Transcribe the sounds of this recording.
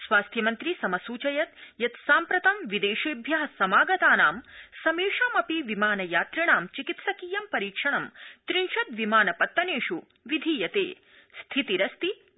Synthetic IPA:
sʋaːst̪ʰjɐmɐnt̪ɾisɐmɐsuːt͡ʃɐjɐt̪jɐt̪saːmpɾɐt̪ɐmʋid̪eːʃibʱjɐɦɐsɐmaːɡɐt̪aːnaːmsɐmeːʂɐːmɐpiʋimaːnɐjaːt̪ɾiɳaːmt͡ʃikit̪sɐkiːjɐmpɐɾiːkʂɐɳɐmt̪ɾinʃɐt̪ʋimaːnɐpɐt̪ːɐneːʂu | ʋid̪ʱiːjɐt̪ḛː | st̪ʰit̪iɾɐst̪i

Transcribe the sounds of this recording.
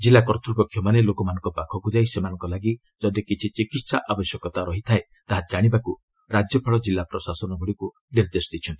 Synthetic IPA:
d͡ʒilːakɔɾt̪ɾupɔkʰːjɔmanelokɔmanɔ̃ŋkɔpakʰɔkud͡ʒajsemanɔŋkɔlaɡi | d͡ʒɔd̪ikit͡ʃʰit͡ʃikit̪saʔabɔsjɔkɔt̪aɾɔɦit̪ʰae | t̪aɦad͡ʒaɽ̃ibaku | ɾad͡ʒjɔpʰɔɭɔd͡ʒilːapɾɔsasɔnɔɡʱuɽiku | niɾd̪esɔd̪it͡ʃʰɔnt̪i̥

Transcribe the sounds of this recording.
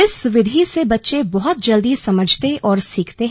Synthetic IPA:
ɪsʋɪd̪ʱisebɐtːʃebɔɦʊt̪̚d͡ʒɐld̪izsɐməd͡ʒʱt̪eʔɔːɾsiːkʰt̪eɦ

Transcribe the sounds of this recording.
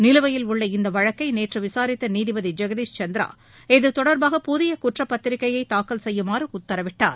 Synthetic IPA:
nɪlɯʋɐjɪlʊɭːɐɪnd̪ɐʋɐɻɐkːɐɪneːʈrɯʋɪsaːɾɪt̪ːɐniːðɪbɐðid͡ʒɐɣɐðiːst͡ʃɐnd̪ɪɾa̰ː | ɛðɯt̪ɔɽɐɾbaːɣɐpʊðɪjɐkuʈrɐpːɐt̪ːɪɾɪkːɐjɐɪt̪ːaːkːɐlsɛjːɯmaːrɯʊt̪ːɐɾɐʋɪʈːa̰ːɾ

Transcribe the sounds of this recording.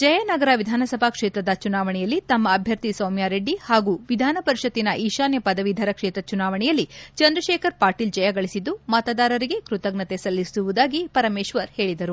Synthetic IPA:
d͡ʒɐjɐnɐɡɐɾɐʋid̪ʱaːnɐsɐbʱakʂeːt̪ɾɐd̪ɐt͡ʃunaːʋɐɳɛjɐlːit̪ɐmːɐːbʱjɐɾt̪isɐːmjaɾeɖːihaːɡuːʋid̪ʱaːnɐpɐɾiʃɐt̪ːinɐʔiːʃaːnjɐpɐd̪ɐʋid̪ʱɐɾɐkʂeːt̪ɾɐt͡ʃunaːʋɐɳɛjɐlːit͡ʃɐnd̪ɾɐʃeːkʰɐɾpaːʈiːld͡ʒɐjɐɡɐɭisid̪umɐt̪ad̪aːɾɐɾiɡe̞kɾut̪ɐɡnɐt̪e̞sɐlːisuʋud̪aːɡipɐɾɐmeːʃʋɐɾheːɭid̪ɐɾu

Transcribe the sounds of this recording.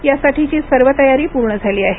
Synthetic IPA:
jasaʈʰit͡ɕiːsəɾʋət̪əjaɾiːpuɾɳəd͡zʱaliːaɦe

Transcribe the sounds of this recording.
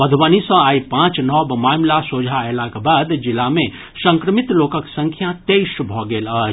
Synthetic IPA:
bəd̪ʱbənisə̃aːipãt͡ʃnɔbmaːmlasod͡ʒʱaelakebaːd̪d͡ʒilːame | sə̃ŋkɾəmit̪lokəksə̃ŋkʰjat̪ejʃbʱɔɡeːləɦ

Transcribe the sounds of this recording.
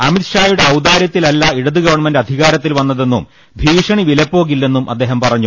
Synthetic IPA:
ɐmit̪ʂaːjuɽe̞ɐwd̪aːɾjɐt̪ːilɐlːɐiɽɐðɨɡɐʋɐɳmɐndɐd̪ʱiɣaːɾɐt̪ːilʋɐnːɐðe̞nːum | bʱiːʂɐɳiʋilɐpːo̞ːɣilːe̞nːumʔɐ̰d̪ːe̞ːɦɐmpɐrɐɲːu

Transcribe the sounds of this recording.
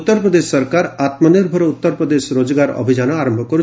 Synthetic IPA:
t̪ːɔɾpɾɔd̪esːʌɾkaɾat̪mɔniɾbʱɔɾut̪ːɔɾpɾɔd̪eʃɾod͡ʒɡaɾɔ̰bʱid͡ʒanɔaɾɔ̃mbʱɔkɔɾu

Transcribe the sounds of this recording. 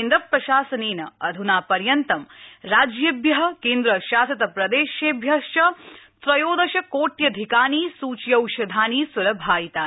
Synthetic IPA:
nd̪ɾɐpɾɐʃaːsɐneːnɐɐd̪ʱunaːpɐɾjɐnt̪ɐmɾaːd͡ʒjɐbjɐɦɐkeːnd̪ɾɐʃaːsɐt̪ɐpɾɐd̪eːʃjeːbʱjɐʃt͡ʃɐt̪ɾɐjoːd̪ɐʃɐkoːʈjɐd̪ʱikaːniːsuːt͡ʃjɐwʃɐd̪ʱaːniːsʋɐlɐbʱaːjit̪aː

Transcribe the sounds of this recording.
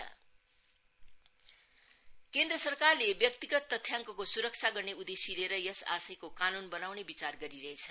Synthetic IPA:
ʌ̰ | kend̪rʌsʌrkarlebjʌk̚t̪iɡʌt̪ːʌt̪ʰːjaŋkʌkosuɾʌk̚t͡sʰaɡʌrneud̪esileɾʌjʌsa̰sʌjkokanunbʌnawnebit͡sarɡʌɾiɾʌɦet͡sʰʌ̥

